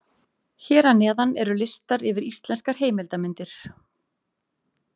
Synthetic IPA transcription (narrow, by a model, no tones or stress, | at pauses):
çɛːɾanɛːðanɛɾʏlɪst̪aɾɪvɪɾist̪lɛnskaɾ̥ɦeːjmɪlt̪amɪnt̪ɪɾ̥